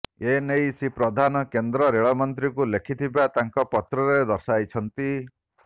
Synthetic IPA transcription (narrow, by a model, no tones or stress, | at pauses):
enejsipɾɔd̪ʱanɔkend̪ɾɔɾeɭɔmɔnt̪ɾikulekʰit̪ʰibat̪aŋkɔpɔt̪ɾɔɾed̪ɔɾsajt͡ʃʰɔnt̪i